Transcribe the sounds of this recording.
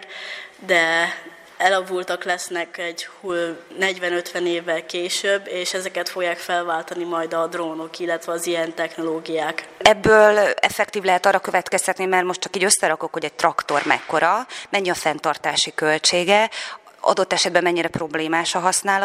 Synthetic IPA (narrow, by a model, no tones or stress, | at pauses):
d̪ɛ | ɛlɒvult̪ɒklɛsnɛkɛɟhuːlnɛɟvɛnøt̪ʋɛneːvːɛlkeːʃøbːeːʃɛzɛkɛt̪fo̞ɡjaːkfɛlvaːlt̪ɒnimɒjd̪ɒd̪roːno̞kilːɛt̪ʋɛɒzijɛnt̪ɛxno̞loːɡijaːkɛbːøːlɛ̰fɛkt̪iːvlɛɦɛt̪ɒrːɒkø̞vɛt̪kɛst̪ɛt̪nimɛrmo̞ʃtt͡ʃɒ̥kiːɟøsːɛɾɒko̞kho̞ɟɛc̚t̪rɒkt̪o̞rmɛ̰kːo̞ɾɒmɛɲːiɒfɛnt̪ɒrt̪aːʃikølt͡ʃeːɡɛ | ɒ̰d̪o̞t̪ːɛʃɛd̪̚bɛmːɛɲːiɾɛpro̞bleːmaːʃɒɦɒsnaːlɒ